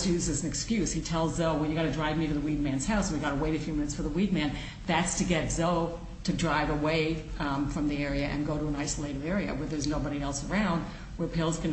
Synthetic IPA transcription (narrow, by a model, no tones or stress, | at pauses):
jʉzɨzn̩ɨkskjʉz̥hitʰɛlˠzːoʊwɛljɨɡɑɾɨdɹaɪvmiɾɨðəwid̚mæ̃nz̥haʊsn̩wiɡɑɾəweɪɾɨfjʉmɪ̃nɨtsfə˞ðəwid̚mæ̃n | ðætstʰɨɡɛtz̥oʊ | ɾɨdɹaɪvəweɪfɹʌ̃mðiɛɹiɨʔɨ̰̃nɡoʊɾəə̃naɪsəleɪɾɨvɛɹiɨ̰wə˞ðə˞znoʊbɑɾiɛlˠsə˞ãʊ̃nd̚ | wə˞pʰɪlˠzɡɨ̃n